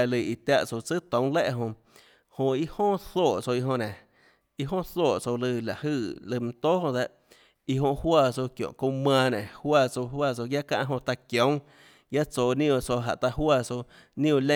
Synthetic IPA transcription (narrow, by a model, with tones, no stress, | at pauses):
a˧˨lɨ˨i˨t̪ja˧ʔt͡so˧˨t͡sɨ˦t̪õ˨˦w̃le˦ʔɦõ˧ | hõ˧i˦hõː˦θoː˦˨ʔt͡so˧i˧ɦõ˧nẽ˨ | i˧ɦõː˦θoː˦˨t͡so˧lɨ˧la˨hɨ˧˨lɨ˧m̩˧t̪oː˦hõ˧d̪e˧ʔ | i˧ɦõ˧ʔhwaː˧˨t͡so˧kjõ̰˨kõ˧mãː˧nẽ˨hwaː˦˧˨t͡so˧hwaː˧˨t͡so˧ja˦kã̰˧ʔɦõ˧t̪a˧kjõ˨˦ŋ | ɡja˦t͡soː˧˨nĩ˦õ˧t͡so˧ɦa̰˨ʔt̪a˧hwaː˧˨t͡so˧ | nĩ˦ũ˧˨lẽ˦